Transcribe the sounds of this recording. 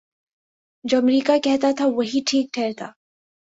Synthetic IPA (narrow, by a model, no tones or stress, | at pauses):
d͡ʒoːɐmɾiːkakɛɦt̪at̪ʰaʋɐɦiʈʰiːk̚ʈʰɛːɾt̪ʰa̰ː